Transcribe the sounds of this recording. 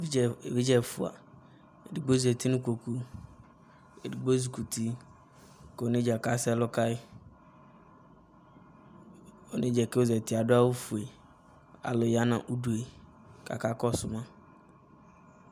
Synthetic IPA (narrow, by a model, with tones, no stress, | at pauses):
vi˦d͡ʒɛ˦˨fʊ˨a̰˨ | e˨di˨ɡ͡bo˦zɛ˨ti˦nʊ̃˦ko˨ku˦ | e˨di˨ɡ͡bo˦zu˨ku˨tʰi˦ | ko˨nɪ̃˦d͡ʒɛ˨ka˦sɛ˦lɔ˦ka˦ɪ˦ | o˨nɪ̃˦d͡ʒɛ˨kɛ˦o˦zɛ˨tɪ˨a˨dʊ˦a˦wu˦fu˨e˨ | a̰˨lʊ˨ja˦nã̰˨ʔu˦du˨e˨ | ka̰˨ka˦kɔ˦˨sʊ˨mã˦